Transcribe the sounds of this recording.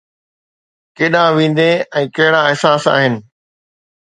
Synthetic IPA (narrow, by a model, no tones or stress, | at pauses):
keːɗãʋĩːn̆d̪eɛ̃ːkɐɦɪɽaɪɦsaːsa̰ːɦɪnɪ̆